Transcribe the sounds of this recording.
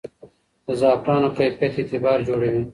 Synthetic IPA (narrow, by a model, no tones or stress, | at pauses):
zaːpɾaːnokɐjpet̪ʰit̪ʰebaːɾd͡ʑoːɽejũː